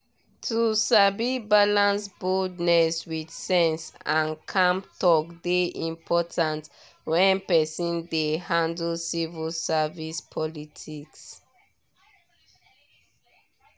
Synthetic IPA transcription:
tʰusabibalãnsbɔdnɛswidsɛ̃nsãnkʰãmtɔkdeʔĩmpʰɔtʰãnt | wɛ̃npɛsĩndehãndlsivilsavispʰɔlitʰiks

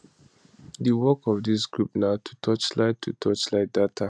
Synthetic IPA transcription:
dəwɔkɔvdis̬ɡɹupnaʊtʰu̥tʰɔt͡ʃlaɪtʰutʰɔt͡ʃlaɪt̚datʰa

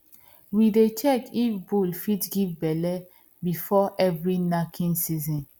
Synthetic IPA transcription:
widet͡ʃɛkifbulfitɡivbɛlɛ | bifɔʔɛvɹinakʰĩnsizɔ̃n

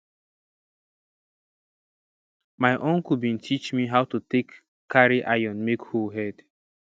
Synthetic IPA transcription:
maɪʔɔ̃ŋkubĩntʰit͡ʃmiɦaʊtutekː | aɾiʔajɔ̃nmekhoɦɛd

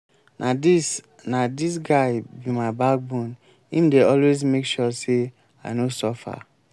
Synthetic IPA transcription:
adi | nadis̬ɡaɪbimaɪbak̚bũn | ĩmdeɔlwezmekʃɔse | a̰ɪnosɔfa̰

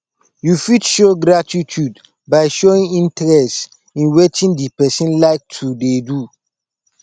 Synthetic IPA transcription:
jufitʃoɡɾatʰitʰud | baɪʃoĩŋĩntʰɾɛst | ĩnwetʰĩndipɛsĩnlaɪk̚tʰudedu

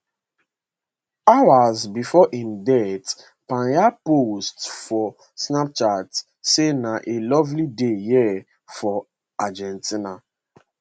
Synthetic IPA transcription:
awazbifɔhĩmdɛt | pãnjapostfɔ | snap̚t͡ʃat | senaʔelɔvlideji | fɔ | ad͡ʒɛ̃ntʰina

